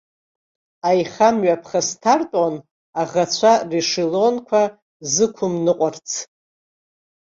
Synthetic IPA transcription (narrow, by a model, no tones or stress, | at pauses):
ajχamɥapʰχastʰartʼan | aʁat͡ɕʷʰariʂilo̞nkʷʰa | zɨkʷʰʊmnɨqʷʼart͡sʰ